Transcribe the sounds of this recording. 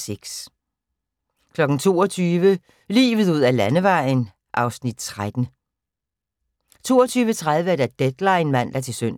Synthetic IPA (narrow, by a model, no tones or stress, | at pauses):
seɡ̥s | kʰlɒ̽ɡ̥n̩t͡sʰo̝̰ːɒt͡sʰyːʋə | lḭːʋð̩ˠuð̰ˠælænəʋɑ̈ɪ̰n | ʔɑ̈ʊsnid̥̚t͡sʰʁad̥n̩ | t͡sʰo̝̰ːɒt͡sʰyːʋət͡sʰʁað̞ˠʋəæd̥æd̥ed̥lɑ̈ɪnmæn̰d̥æt͡sʰe̝lsøn̰